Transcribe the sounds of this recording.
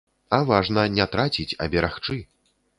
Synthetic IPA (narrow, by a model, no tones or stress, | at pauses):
ɐvaʐnɐnʲɛt̪ɾat͡sʲit͡sʲɐ̰bʲɛɾaxt͡ʂɨ